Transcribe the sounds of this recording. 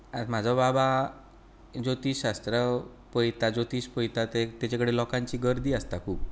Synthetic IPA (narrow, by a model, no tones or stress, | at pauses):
at̪m̤ad͡zʱɔbaba | d͡zot̪iːɕast̪ɾə | pəjt̪ad͡zot̪iːɕpəjt̪at̪et̪at͡ɕakəɽelɔkãɲt͡ɕiːɡəɾd̪iːəst̪akʰuːp̚